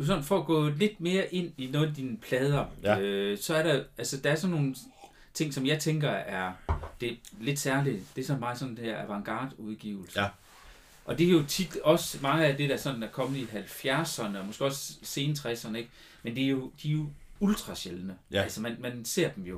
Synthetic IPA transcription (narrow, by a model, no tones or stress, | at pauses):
s̬ɒ̽nn̩fɒ̽ːɡ̥ɔ̰̽ːle̝d̥̚me̝ːɐʔe̝n̰inɔ̽ːð̩ˠd̥inəpʰlɛːð̞ˠɐøsɒ̽æɐɾæælsəd̥æ̈æɐsɒ̽nːo̝ːn | t͡sʰe̝ŋ̰sɒ̽mjɑ̈ɪt͡sʰeŋɡ̥ɐæɐd̥e̝le̝d̥sæɐlid̥e̝æɐsɒ̽nmɑ̈ɪsɒ̽nd̥enhæɐʔæʋɑ̈ŋɡ̥ɑ̰̈ːd̥uðˠɡ̥ḭʊl̩s | ʔɒ̽d̥e̝ɐjo̝t͡sʰid̥ɒ̽smɑ̈ŋəæd̥e̝d̥æsɒ̽nnæɐkʰɒ̽mð̩ˠiɦælfjæɐsɐnəɒ̽mɒɡ̥e̝ɒ̽sse̝ːnət͡sʰʁɛsɐnəe̝ɡ̥̚ | mend̥e̝ɐjo̝d̥iæɐjo̝uld̥ʰʁɑ̈ɕelnəælsɐmænmænse̝ɐ̰d̥emjo̝